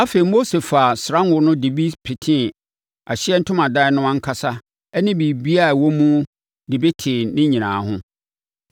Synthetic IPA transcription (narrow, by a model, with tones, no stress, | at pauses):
a˦fe˨ɾi˨mo˦se˨fa˨sɾã˦n˦wʊ˨˦nʊ̃˦de˨bi˦pʰɪ˨tʰɪ̃˦˨ | a˨ɕɪ˦ɛ˦n̩˦tʰʊ̃˦mã˨da˦ɪ˦nʊ̃˦ã˦ŋ̩˦kʰa˦sa˦ | ɛ˦nɪ̃˦bi˨bi˦a˦˨wo˦mũ˦ | dɪ˨be˦tʰɪ˨nɪ̃˦ɲĩ˨nã̰ː˨ɦʊ̰̃˦